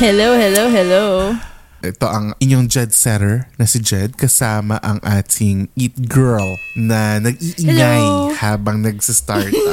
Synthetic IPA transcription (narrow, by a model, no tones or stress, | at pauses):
hɛlowhɛlowhɛlo | ʔɛt̪o̞ʔɐŋʔɪɲoŋd͡ʒɛd̪̚sɛɾɛɹnɐsɪd͡ʒɛd̪̚kɐsaːmɐʔɐŋʔaːt̪ʰɪŋʔit̪̚ɡɛɹlnɐnɐɡ̚ʔiːʔɪŋajnhaːbɐŋnɐɡ̚sɐst̪aɹt̪